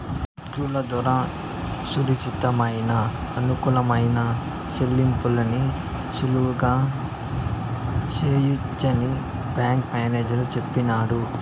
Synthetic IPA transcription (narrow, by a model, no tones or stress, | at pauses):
kuːlɐd̪ʋɐɾaː | suɾikt͡ʃit̪ɐmɐjnɐːnukulɐmɐjnɐ | selːimpulɐni | ʃuluʋuɡaː | seːjut͡ʃːɐni | bjaːŋkmaːne̞ːd͡ʒɐlut͡ʃepːinaːɽu